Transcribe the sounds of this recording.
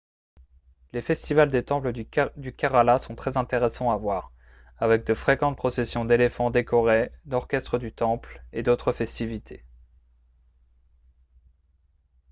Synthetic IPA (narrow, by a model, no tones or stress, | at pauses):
lefɛst̪ivald̪et̪ɑ̃pləd̪ykʲaʁalasɔ̃t̪χɛzɛ̃t̪eʁesɑ̃avwaʁ | avɛk̚d̪əfχekɑ̃t̪̚pχɔsesjɔ̃d̪elefɑ̃d̪ekɔʁed̪ɔʁkʲɛst̪χəd̪yt̪ɑ̃pled̪ot̪χəfɛst̪ivit̪ʰe